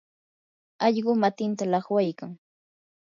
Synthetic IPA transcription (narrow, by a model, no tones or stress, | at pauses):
ɑʎɢʊmat̪ɪnt̪alɑχwajkaŋ